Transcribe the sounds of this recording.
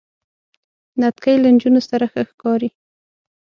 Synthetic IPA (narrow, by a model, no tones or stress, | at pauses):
nat̪kajland͡ʒunosaɾaxəxkɑɾi